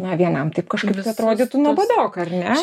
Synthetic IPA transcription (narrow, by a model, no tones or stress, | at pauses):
nɐʋʲiɛnɐmt̪ɐɪpkɐʃkɐɪpt̪ʊɐt̪ɾoːd̪ʲet̪ʊnuɔbɐd̪oːkɐrʲnʲɛ